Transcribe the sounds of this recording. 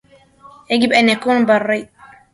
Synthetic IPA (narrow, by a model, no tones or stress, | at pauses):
ɛɡibɛnɛkunbarːaj